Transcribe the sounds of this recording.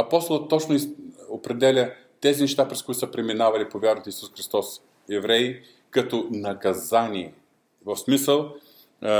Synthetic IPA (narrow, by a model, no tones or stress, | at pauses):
ɐpɔst̪olˠət̪ːɔt͡ʃnoiopɾɛd̪ɛlʲə | t̪ɛzinɛʃt̪apɾɛskʊit̪ʊsəpɾɛminavɐlipovʲjaɾɐt̪oisusxɾist̪ɔs | ɛvɾɛi | kɐt̪ɔnɐkɐzanʲiɛ | vɐfsmisəlˠ